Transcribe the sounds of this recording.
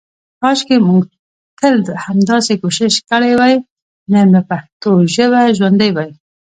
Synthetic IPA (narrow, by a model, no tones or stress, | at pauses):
pɑʃkemuŋɡ | t̪əld̪əhamd̪ɑsekoʃɪʃkəɽajwaj | nəbapaxt̪oʒəβaʒwand̪əjwaj